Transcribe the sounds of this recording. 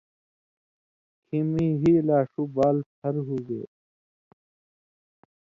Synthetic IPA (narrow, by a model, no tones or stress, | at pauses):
kʰimĩɦiːlaːʂubaːlt̪ʰɐɾɦuːɡḛː